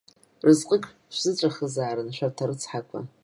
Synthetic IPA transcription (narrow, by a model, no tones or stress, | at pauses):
rɨzqʼəkʼ | ʃʷzɨt͡ɕʷʼaχəzaːɾɨnʃʷᶣartʰaɾɨt͡sʰħakʷʰa̰